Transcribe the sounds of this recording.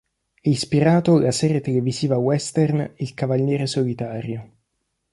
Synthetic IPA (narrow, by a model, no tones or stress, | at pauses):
ɛispiɾaːt̪olasɛːɾjet̪eleviziːvawɛst̪ɛrnilkavaljɛːɾesolit̪aːɾjo